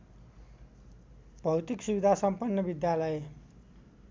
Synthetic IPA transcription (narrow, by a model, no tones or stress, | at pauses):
bʱʌwt̪iksubid̪ʱasʌmpʌnːʌbid̪jalʌj